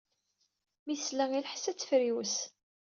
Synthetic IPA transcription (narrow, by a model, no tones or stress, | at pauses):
miθslæŋilħsæt͡sːfɾiws